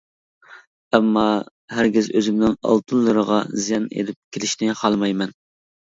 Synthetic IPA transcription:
ɛmːɑ | hæɾɡʲɪzøzɪmnɪnɑ̰lˠt̪ʰɨnlˠːɨɾəʁɑ̰zijɑnḛd̪ɪp̚kʲʰelɪʃnɪχɑlˠmɑjmɛn

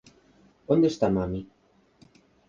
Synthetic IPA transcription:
ond̪est̪amami

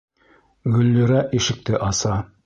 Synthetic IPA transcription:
ɡɵ̆lːɵ̆ɾæʔiʃɘ̆k̚t̪ɘʔɑsɑ

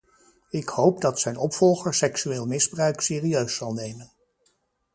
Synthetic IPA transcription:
ɪkhowpdɑtsɛjnɔpfɔlˠχəɹsɛksyeːlˠmɪzbrœɥksɪːriøɥsːɑlˠnejmən

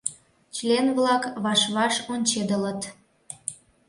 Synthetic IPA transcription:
t͡ɕlenβlɑkβɑʃβɑʃonʲt͡ɕed̪ələt̪

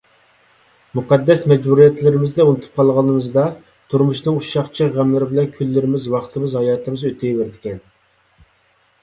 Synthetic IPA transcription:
muqʰɑd̪ːɛsmɛd͡ʒbuɾijɛt̪ʰlɪɾɪmɪzd̪ɛunɨt̪ʰu̥p̚qʰɑlˠʁəlnnɨmɨzd̪ɑ | t̪ʰuɾmuʃnɨŋuʃɑχt͡ʃʰiʁæmlɪɾɪbɪlɛnkʲʰylːɪɾɪmɪzwɑχt̪ʰɨmɪzhɑjɑːt̪ɨmɪzøt̪ʰejvɪɾɪd̪ɪkʲɛn

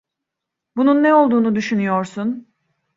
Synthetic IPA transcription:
bununːɛo̞lˠd̪uːnud̪yʃynyjo̞ɾsun

